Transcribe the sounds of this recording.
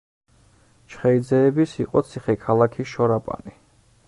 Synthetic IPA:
t͡ʃʰχɛid̪zɛːbisiqʼɔt̪sʰiχɛkʰalˠakʰiʃɔɾapʼa̰ni

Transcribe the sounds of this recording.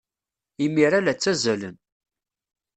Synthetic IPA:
imiɾalæt͡sːæzælən

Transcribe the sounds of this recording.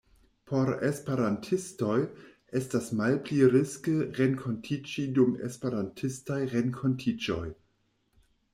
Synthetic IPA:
pʰo̞ɾḛspeɾantʰistojʔestasmalpliɾiskəʁenkʰo̞ntʰit͡ʃidumḛspeɾantʰistajʁenkʰontʰid͡ʒo̰j

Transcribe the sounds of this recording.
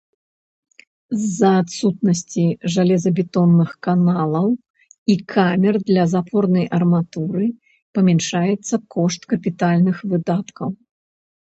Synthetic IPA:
zːɐːt̪sut̪̚nɐsʲt͡sʲiʐalʲɛzɐbʲɛt̪ɔnːɨxkanalˠɐw | ikʰamʲɛrd̪lʲɐzapʰɔrnɐjʔɐrmat̪uɾɨ | pɐmʲɛnʂajɛt̪sːɐkʰɔʂt̪kɐpʲit̪alʲnɨxvɨd̪at̪kɐw

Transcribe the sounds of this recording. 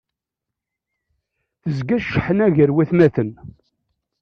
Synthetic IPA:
θəzɡæʃːəħənæʝəɾwæθmæθən

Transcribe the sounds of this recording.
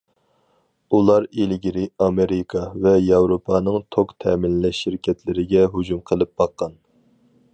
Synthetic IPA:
ulˠɑɾilɡʲiɾɪɑmeɾɪkʰɑvɛjɑwɾopʰɑːnɨŋt̪ʰokt̪ʰɛːmɪnːɛʃːiɾkʲʰɛt̪ʰlɪɾɪɡʲɛɦud͡ʒumqʰəlˠɨp̚b̥ɑqːɑn

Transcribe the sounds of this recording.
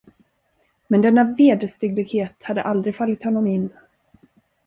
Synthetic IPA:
mɛnd̪ɛnːaveːd̪əst̪ɪɡlɪɡheːt̪had̪ːə̰ʔald̪ɾɪɡfalːɪt̪hɔnːɔmɪnː

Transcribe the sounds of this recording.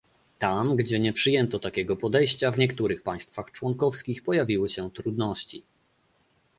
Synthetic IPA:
t̪amɡd͡ʑɛɲɛpʂɘjɛnt̪ɔt̪akʲɛɡɔpɔd̪ɛjɕt͡ɕavɲɛkt̪uɾɘxpaj̃st̪faxt͡ʂwɔŋkɔfskʲixpɔjavʲiwɘɕɛt̪ɾud̪nɔɕt͡ɕi

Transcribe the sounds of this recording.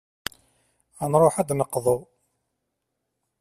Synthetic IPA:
ænɾˤoħæd̪nəqːðˤo

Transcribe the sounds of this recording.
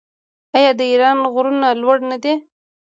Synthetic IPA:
ajɑd̪əiɾɑnɣɾunalwaɽnad̪e

